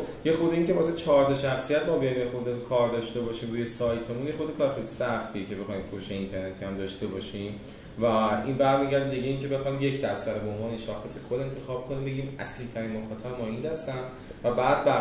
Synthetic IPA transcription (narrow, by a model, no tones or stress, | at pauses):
je̞xod̪eiŋcʰe̞vɒːset͡ʃʰɒːɾt̪ʰɒʃæxsijæt̪mɒːbejɒjimjexod̪ekʰɒːɾd̪ɒːʃt̪e̞bɒːʃiːmɾuːjesɒːjt̪ʰemunjexod̪ekʰɒːɾxit̪ʰe̥sæxt̪ʰiecʰe̞be̞xɒjmfoɾuːʃe̞int̪ʰe̞ɾnet̪ʰiːhæmd̪ɒːʃt̪e̞bɒːʃiːm | væinbæɾmiːɟæɾd̪ed̪iɟe̞iːncʰe̞be̞xɒːjmje̞cʰd̪æst̪æɾebeonvɒːneʃɒːxesekʰod̪e̞nt̪ʰe̞xɒːb̥̚kʰo̞niːmbe̞ɟiːmæ̰sliːt̪ʰæɾiːnmoxɒːt̪ʰæbmɒːiːnd̪æst̪æn | væbæːd̪̚bæ